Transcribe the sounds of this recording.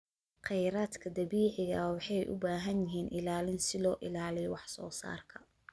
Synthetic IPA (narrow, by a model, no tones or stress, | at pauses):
qɛjɾaːd̪kʰɐd̪ɐbiːʕɪɣɐwɑħɑjʔʊ̰baːɦɐnjɪɦiːnʔɪlaːlɪnsɪlɔːʔɪlaːlɪjɔwɑħsɔ̰ːsa̰ːrkʰɐ